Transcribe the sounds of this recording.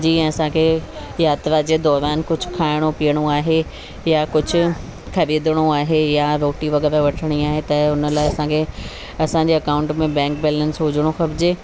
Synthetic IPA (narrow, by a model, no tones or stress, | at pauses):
d͡ʑiɛ̃ːɐsãkʰe | jaːt̪ɾad͡ʑeːd̪ɔːɾaːnkʊd͡ʑʱʊ̆kʰaːɪɽ̃opiəɽ̃oaːɦe | jakʊd͡ʑʱʊ̆ | kʰɐɾiːd̪əɽ̃oaːɦejaʋoːʈiʋɐɠɛːɾaʋɐʈʰəɽ̃iaːɦet̪ɐʊnəlaːɪɐsãːkʰe | ɐsãːɲd͡ʑeɐkaʊ̃ɳʈmẽbɛ̃ːŋk̚bɛːlənsɦʊːd͡ʑʱəɽ̃oxɐbɪd͡ʑeː